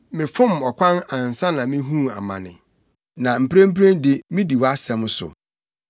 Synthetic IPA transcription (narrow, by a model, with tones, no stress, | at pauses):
mɪ̃˨fʊ̃˦mɔ˨kʰʷã˦nã˨n˨sã˦nã˨mĩ˦ɦũ˦˨a̰˨mã̰˨nɪ̰̃˨ | nã˨m̩˨pɾẽ˦m̩˦pɾẽ˦ndɪ˦mĩ˦di˨wa˦sɛ̃˨msʊ̰˨